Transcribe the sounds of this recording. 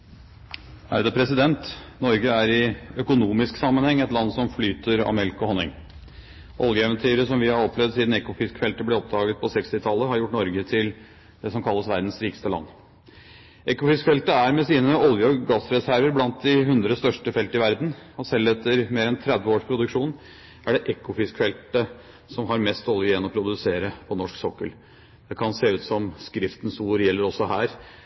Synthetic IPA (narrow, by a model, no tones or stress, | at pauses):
æ̰d̪ɛpʰɾɛsɪd̪ɛnt̪nɔɾɡəæɾɪœkʊnuːmɪsksɑmːənhɛŋːɛt̪lɑnːsɔmflyːt̪əɾɑ̰mɛlkɔhɔnːɪ̰ŋ | ʔɔ̰ljəɛʋənt̪ʰyːɾəsɔmʋɪhɑɾɔplɛʋd̪siːd̪n̩ɛkʊfɪskfɛlt̪əblɛɔp̚d̪ɑːɡət̪̚pʰɔsɛkst̪ɪt̪ʰɑlːəhɑɾjʊʈːnɔɾɡət̪ʰɪl | d̪̥ɛsɔmkʰɑlːəsʋæɾd̪n̩sɾiːkə̥st̪əlɑ̰nː | ʔɛkʊfɪskfɛlt̪əæɾmɛsiːnəɔljəɔɡɑsɾɛsæɾʋəɾblɑnt̪̚d̪ɪɦʉnd̪ɾəst̪œʂʈəfɛlt̪əɪʋæɾd̪n̩ɔsɛlːɛt̪ʰːəɾmeːɾɛnt̪ʰɾɛd̪ʋəoːʂpʰɾʊd̪ʉkʂuːn | æɖɛʔɛkʊfɪskfɛlt̪ə | sɔmɦɑɾmɛst̪ɔljəɛnɔpʰɾʊd̪ʉseːɾəpʰɔnɔʂksɔkːəl | d̪̥ɛkʰɑnseːʉːt̪sɔmskɾɪft̪nsuːɾjɛlːəɾɔsɔhæːɾ